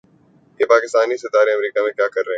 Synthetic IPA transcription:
jepaːkɪst̪aːnisɪt̪aːɾeɐmɾiːkamẽkjaːkɐɾːɐɦɛ̃

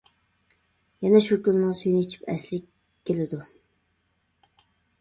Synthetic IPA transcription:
jɛnɛʃukʲynmɨŋsyjnɪt͡ʃʰi̥pɛslɪkʲ | kʲːelɪd̪u

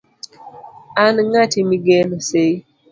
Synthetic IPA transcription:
anŋatimiɡenose

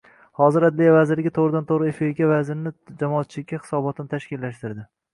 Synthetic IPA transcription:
hɒzɪɾad̪lijavazɪɾlɪɡʲɪt̪ʰoʁɾɪd̪ant̪ʰoʁɾɪefeɾɡʲavazɪɾnɪd͡ʒamɒːt̪̚t͡ʃʰɪlɪkʲːahɪ̥sɒbɒt̪ʰɪnɪt̪ʰaʃkʲɪlːaʃt̪ɪɾd̪ɪ

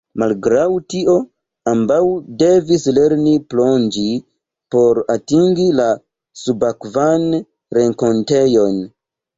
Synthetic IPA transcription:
malɡɾawtio̞ | ambawde̞visle̞ɾniplo̞nd͡ʒi | po̞ɾatiŋɡila | subakvan | ɾe̞ŋko̞nte̞jo̞n

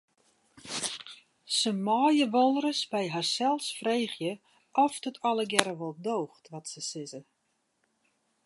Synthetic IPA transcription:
səmɔːjəʋolˠɾəsbɛjɦarsɛlˠsfreːxjə | ʔɔfdətʰɔlˠəɡjɛɾəʋolˠdoːxtʋɔtsəsɪzə

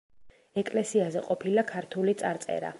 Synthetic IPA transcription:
ɛkʼlɛsiazɛqʼɔpʰilakʰaɾt̪ʰulit̪sʼaɾt̪sʼɛ̰ɾa̰

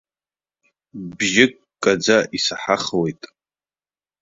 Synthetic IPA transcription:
bʒɪkʼ | kʼːad͡zaʔisaħaχwejtʼ

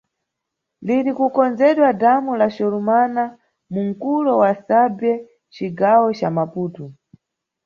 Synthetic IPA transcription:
liɾikukɔnd͡zɛɗwadamulaʃɔlumana | muŋ̩kulɔwasabɛ | t͡ʃiɡawɔt͡ʃamapuːtu

